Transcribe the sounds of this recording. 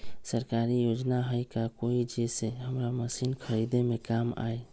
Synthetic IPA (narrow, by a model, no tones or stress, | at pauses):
səɾkaɾijod͡ʒnaɦəjkakoid͡ʒeseɦəmɾaməsinkʰəɾid̪emekama̰e